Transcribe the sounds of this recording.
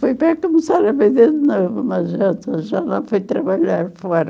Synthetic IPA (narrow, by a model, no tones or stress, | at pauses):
fojpɐkomɨsaɾɐveðeɾd̪novunɐʒɛ̃t̪ɐʒanɐ̃w̃fojt̪ɾɐβaʎaɾfɔɾɐ